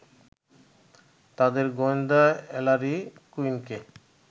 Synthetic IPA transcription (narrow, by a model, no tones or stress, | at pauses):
t̪ad̪eɾɡond̪aɛlaɾikuinke